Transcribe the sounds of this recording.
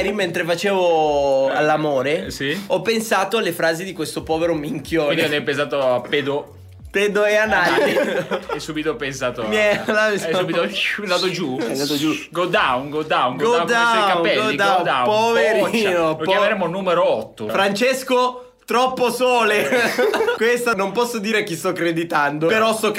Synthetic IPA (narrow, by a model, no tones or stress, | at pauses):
ɾiment̪ɾefat͡ʃeːvoalːamoːɾesiɔpːensaːt̪oalːefɾaːzid̪ikwest̪opɔːveɾomiŋkʰjoːnieinɛpẽns̬aːt̪oaped̪o | ped̪oeana | ɛsːuːbit̪oɔpensaːt̪oɛlasssubit̪ond̪aːt̪od͡ʒund̪at̪od͡ʒuɡod̪awunɡod̪awnɡɡoad̪akaupːɛɡolid̪aowd̪awpoveɾinookpjameɾeːmonumeɾoɔt̪ːofɾant͡ʃesko | t̪ɾɔpːosoːle | kwest̪anompɔsːod̪iːɾek̟ist̪ɔkːɾed̪it̪and̪opeɾɔsɔkː